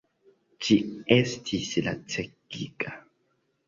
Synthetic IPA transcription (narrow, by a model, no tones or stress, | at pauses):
d͡ʒiestʰisla̰t͡ʃekika